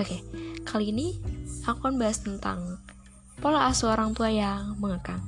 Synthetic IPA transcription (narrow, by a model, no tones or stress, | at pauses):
okekʰaliːniakukanbaɦast̪ənt̪a̰ŋ | polaasuoɾaŋt̪uajaŋməŋəkaŋ